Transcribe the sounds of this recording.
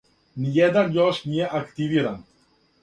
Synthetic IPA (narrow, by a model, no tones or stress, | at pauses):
nijɛd̪anjɔʃnijɛʔakt̪iviɾan